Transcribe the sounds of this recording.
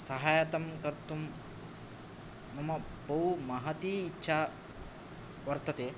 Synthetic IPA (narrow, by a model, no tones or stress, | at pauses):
sɐɦaːjɐt̪ɐmkɐɾt̪um | mɐmɐ | bɐɦumaɦɐt̪iːtːʃʰa | ʋɐɾt̪ɐt̪eː